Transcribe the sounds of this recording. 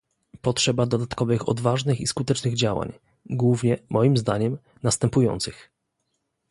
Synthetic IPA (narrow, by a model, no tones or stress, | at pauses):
pɔtʂɛbad̪ɔd̪at̪kɔvɘxɔ̰d̪vaʐnɘxiskut̪ɛt͡ʂnɘɣd͡ʑawa̰ɲ | ɡwuvɲɛmɔjimzd̪aɲɛm | nast̪ɛmpujɔ̰nt̪sɘx